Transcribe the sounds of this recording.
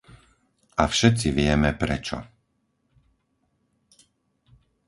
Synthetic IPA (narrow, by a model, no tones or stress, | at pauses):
ʔafʃɛt̪t͡siʋɪɛmɛpɾɛt͡ʃɔ̰